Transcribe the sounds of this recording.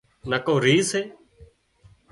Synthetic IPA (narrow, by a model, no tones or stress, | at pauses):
nəkoːɾiːseː